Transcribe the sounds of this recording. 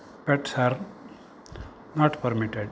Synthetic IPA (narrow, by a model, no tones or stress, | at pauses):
pɛʈsaːɾ | nɔːʈpəɾmiʈeɖ